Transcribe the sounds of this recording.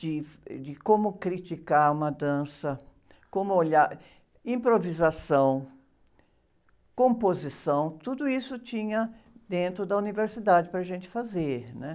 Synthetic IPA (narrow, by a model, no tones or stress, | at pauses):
d͡ʒɪd͡ʒɪkõmʊkɾit͡ʃikaɾũmɐd̪ɐ̃sɐ | kõmʊoʎaɾ | ĩpɾovizasɐ̃w̃ | kõmpozisɐ̃w̃t̪ud̪ʊisʊt͡ʃĩɲɐ | d̪ẽnt̪ɾʊd̪ɐuniveɾsid̪ad͡ʒɪpɾɐʒẽnt͡ʃɪ̥fazeɾnɛ